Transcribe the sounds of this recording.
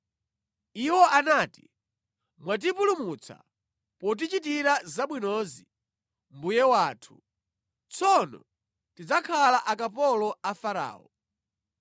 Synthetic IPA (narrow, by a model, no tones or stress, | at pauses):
iwɔʔanaːtḭ | mwat̬ipulumut͡sʰa̰ | pɔt̬it͡ʃit̬iɾazaɓwinɔzi | mbujɛwaːtʰu̥ | t͡sʰɔnɔ̰ | tid͡zakʰalaʔakapɔlɔafaɾa̰ːɔ